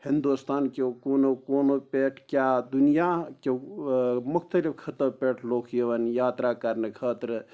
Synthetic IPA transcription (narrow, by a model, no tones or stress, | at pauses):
hĩnd̪ust̪aːnkekoːnokoːnopeːʈʰkjaːd̪unijake | mʊkʰt̪əlifkʰɐt̪əbpeːʈʰloːkʰjeʋɐnjaːt̪ɾakɐɾnekʰəːt̪ɾ